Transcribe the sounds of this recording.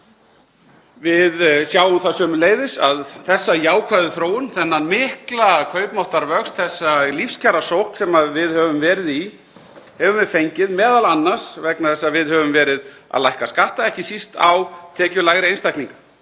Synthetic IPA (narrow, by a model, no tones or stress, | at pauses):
vɪðsjaːwʏmθasœːmʏleːjðɪsa̰ðθɛsːajaːwkʰvaðʏθɾoːwʏnθɛnːanmɪhklakʰœːɥpmɔwht̪aɾvœkst̪θɛsːalifscʰaɾasowht̪sɛmaðvɪðhœvʏmvɛːɾɪði | hɛvʏmvɪfejɲcɪðmɛːðalanːḁsvɛknaθɛsːaðvɪðhœvʏmvɛːɾɪð | a̰ðlajhkaskaht̪aɛhcɪsist̪a̰wt̪ʰɛːcʏlaːɣɾɪejnst̪ajk̪niŋka